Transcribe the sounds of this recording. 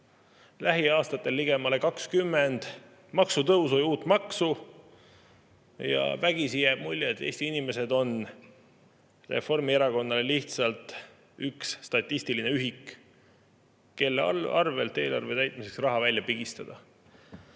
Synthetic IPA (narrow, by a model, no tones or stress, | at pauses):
læɦiɑːst̪ɑt̪ːˑe̞lːiɡ̥e̞mɑle̞kɑkskymːe̞nd̪̥ | mɑksut̪ɤuso̞juːt̪ːˑmɑksu | jɑ̰væɡ̥isijæːb̥̚mulʲːet̪ˑːe̞̰ːsʲt̪iinime̞se̞d̪o̞n | re̞̰fo̞rmie̞ɾɑko̞nːɑle̞liht̪sɑlt̪ | yksːt̪ɑt̪ʲˑːist̪ilineyɦik | kːe̞lːɑ̰rve̞lt̪ːe̞ːlɑ̰rvet̪æjt̪̚ˑmise̞ksrɑɦɑvælʲːjɑpiɡ̥ist̪ɑd̪̥ɑ